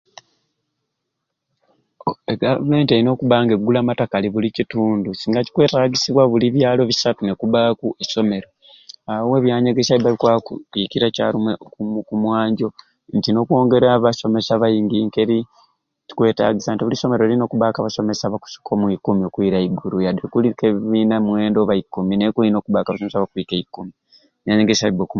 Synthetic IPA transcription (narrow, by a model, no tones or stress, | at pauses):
eɡa̰vume̞ːnteɾino̞ːkuβaːŋɡe̞ɡːulamatakaliβulicituːndusiːŋɡaci̥kwe̞ːtaːɡisiβwaβuliβjaːlo̞βisatune̞kuβakuʔeso̞me̞ɾo̞ | awe̞βjaːɲeɡe̞saβiβaβikwakutikiɾaca̰ːɾimukumwaːɲɟo̞ | ntino̞kwo̞ːŋɡe̞ɾaβaso̞me̞saβajiŋɡiːŋkeɾi | ci̥kwe̞ːta̰ɡisaːntiβuliso̞me̞ɾolino̞ːkuβakaβaso̞me̞saβaku̥si̥kʰomwikumiokwiɾaiɡuɾujadekulikeβinamwe̞ːndo̞βaikːuminekuinoːkuβakaβasomesaβakwikeikːumi | βjaɲeŋɡesaβibeku